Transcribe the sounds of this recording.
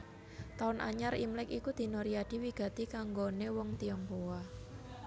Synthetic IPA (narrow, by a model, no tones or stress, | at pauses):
t̪aʊnʔa̰ɲaɾimlɪkikud̪̥i̤noɾiaɖ̥i̤wiɡ̥a̤t̪ikaŋɡonewɔŋt̪iɔŋpowa